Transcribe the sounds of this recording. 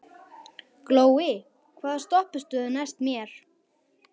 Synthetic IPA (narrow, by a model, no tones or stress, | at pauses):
kloːwɪ | kʰvaːðast̪ɔhpɪst̪ʏðanajst̪mjɛɾ̥